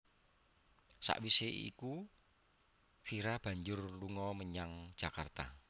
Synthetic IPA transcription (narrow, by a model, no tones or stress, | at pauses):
sa̰ʔwiseḭku | fiɾab̥ä̤ɲd͡ʒʊrluŋɔməɲaŋ̥ʒ̥a̤kart̪a